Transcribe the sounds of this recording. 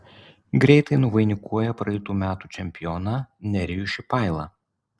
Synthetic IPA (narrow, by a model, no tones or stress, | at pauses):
ɡɾʲɛɪt̪ɐɪnʊʋɐɪnʲɪkʰuɔjɛpɾɐjɪt̪uːmʲæːt̪uːt͡ʃʲɛmʲpʲɪjɔnɐnʲɛɾʲɪjuʃʲɪpɑˑɪlˠɐ̰